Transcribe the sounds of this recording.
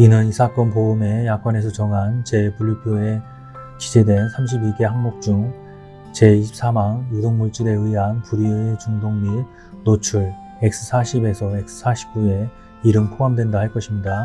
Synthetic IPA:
inɯnisʰak͈ʌnpoume̞jak͈ʌnesʰʌt͡ɕʌŋɦant͡ɕe̞puɭipʰoe̞ | ki̥d͡ʑʰe̞dwe̞nsʰamɕʰibiɡe̞haŋmok̚t͡ɕ͈uŋ | t͡ɕe̞iɕʰip̚s͈ʰamaŋjudoŋmuɭt͡ɕ͈iɾe̞ɯiɦanpuɾiet͡ɕuŋdoŋmi | not͡ɕʰuɭ | ek̚s͈ʰɯ̥sʰaɕʰibe̞sʰʌek̚sʰɯ̥sʰaɕʰi̥p̚k͈ue̞ | iɾɯmpʰoamdwe̞ndahaɭk͈ʌɕʰimɲida

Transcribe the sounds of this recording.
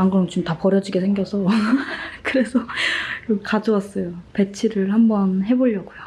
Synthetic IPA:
aŋɡʌɯnt͡ɕomtapʌɾjʌd͡ʑiɡesʰeŋɡjʌsʰʌ | kɯɾe̞sʰʌkɯkad͡ʑʌwas͈ʌjope̞t͡ɕʰiɾɯɭhambʌnɦe̞boʎːʌɡojo

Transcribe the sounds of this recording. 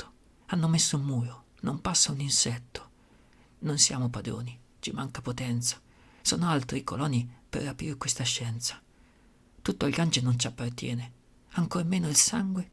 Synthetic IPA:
o̥ | anːomesːomuːjo | nompasːauninsɛt̪ʰːo̥ | nonsja̰ːmopad̪ɾo̰ːni | t͡ʃimaŋkapot̪ɛnt̪sḁ | sɔːnoalt̪ɾiko̰lɔːnːipḛrːapḭːɾekwest̪aʃːɛnt̪sḁ | t̪ut̪ːoʎɡand͡ʒenont͡ʃiapːart̪jɛ̰ːne | aŋkoːɾmeːnoilsaŋɡwe

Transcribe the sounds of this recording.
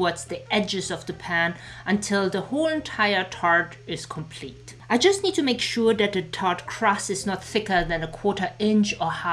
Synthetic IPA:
wɔdzðiɛd͡ʒɨzʌvðəpʰæ̃n | ʔə̃ntʰɪlˠðəholˠə̃ntʰaɪə˞tʰɑɹd | ɪz̥kʰə̃mpʰl̥it | ʔaɪd͡ʒʌstnid̚tʰɨmeɪkʃuɹðɨt̪̚ðɨtʰɑɹdkʰɹ̥ɔsɨznət̪θɪkə˞ðɨ̃nəkʰw̥ɔɹɾə˞ɪ̃nt͡ʃə˞ha

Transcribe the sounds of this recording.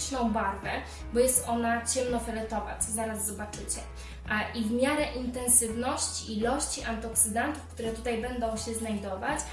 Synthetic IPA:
ʂnɔ̃w̃baɾvɛ | bɔjɛst̪ɔnat͡ɕɛmnɔfɛɾɛt̪ɔva̰t͡ɕzaɾazːɔbat͡ʂɘt͡ɕɛ | ʔivmʲjaɾɛʔint̪ɛnsɘvnɔɕt͡ɕiilɔɕt͡ɕiʔant̪ɔksɘd̪ant̪ufkt̪uɾɛt̪ut̪ajbɛnd̪ɔ̃w̃ɕɛznajd̪ɔvat͡ɕ

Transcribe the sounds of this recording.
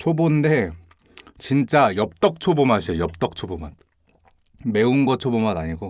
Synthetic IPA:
t͡ɕʰobonde̞ | t͡ɕint͡ɕ͈ajʌp̚t͈ʌk̚t͡ɕʰobomaɕʰijʌp̚t͈ʌk̚t͡ɕʰobomat | me̞unɡʌt͡ɕʰobomanaɲiɡo

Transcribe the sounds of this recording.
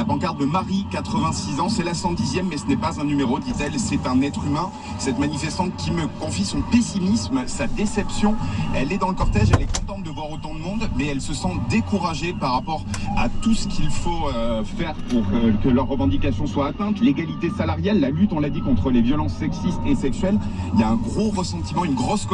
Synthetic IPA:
lapɑ̃kaʁd̪əmaʁikat̪χəvɛ̃sizɑ̃sɛlasɑ̃d̪izjɛmːɛsənɛpazɛ̃nymeʁod̪it̪ɛlsɛt̪ɛ̃nɛt̪χymɛ̃ | sɛt̪manifɛst̪ɑ̃t̪̚kʲiməkɔ̃fisɔ̃pesimismsad̪esɛpsjɔ̃ɛlɛd̪ɑ̃ləkɔʁt̪ɛʒɛlɛkɔ̃t̪ɑ̃t̪̚d̪əvwaʁot̪ɑ̃d̪əmɔ̃d̪mɛɛlsəsɑ̃d̪ekuʁaʒepaʁːapɔʁa̰t̪usə̥kʰʲilfoəfɛʁpuʁkəkəlœʁːəvɑ̃d̪ikasjɔ̃swaːt̪ɛ̃t̪leɡalit̪esalaʁjalːalyt̪ɔ̃lad̪ikɔ̃t̪χəlevjɔlɑ̃sːɛksist̪esɛksɥɛliljaɛ̃ɡʁoʁəsɑ̃t̪imɑ̃ynɡʁɔsk

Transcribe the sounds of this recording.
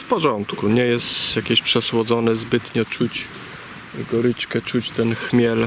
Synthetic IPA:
fpɔʐɔnt̪kuɲɛjɛst̪jakʲeɕpʂɛswɔd̪zɔnɛzbɘt̪ɲɛt͡ʂut͡ɕ | ɡɔɾɘt͡ʂkɛt͡ʂut͡ɕt̪ɛnxmʲjɛl

